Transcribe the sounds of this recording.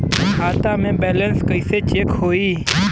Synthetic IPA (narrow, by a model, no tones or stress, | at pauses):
ɦaːt̪ãːmẽːbeːlənskəɪseːt͡ʃeːkhoːiː